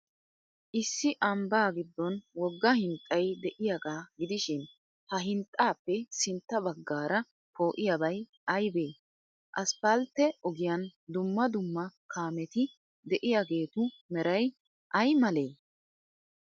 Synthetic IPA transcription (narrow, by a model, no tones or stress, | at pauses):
ʔɪsːɪʔɐmbaːɡɪd̪ːɔnwɔɡːɐhɪnt̪ʼːɐjd̪ɛʔɪjaɡaːɡɪd̪ɪʃɪn | hɐɦɪnt̪ʼːaːpːɛsɪnt̪ːɐbɐɡːaːɾɐ | pʰo̞ːʔɪjɐbɐj | ɐjbe̞ː | ʔɐspɐlt̪ːɛʔɔɡɪjɐnd̪ʊmːɐd̪ʊmːɐkʰaːmɛt̪ɪ | d̪ɛʔɪjaɡe̞ːt̪ʊ | mɛɾɐj | ʔɐjmɐle̞ː